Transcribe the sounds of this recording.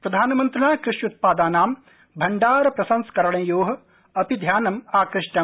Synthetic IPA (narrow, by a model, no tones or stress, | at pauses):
pɾɐd̪ʱaːnɐmɐnt̪ɾɐnaːkɾɪʂjut̪̚paːd̪aːnaːm | bʱɐɳɖaːɾɐpɾɐsɐnskɐɾɐɳɐ̃joːɦɐ̆ | ɐpid̪ʱjaːnɐmaːkɾɪʂʈɐ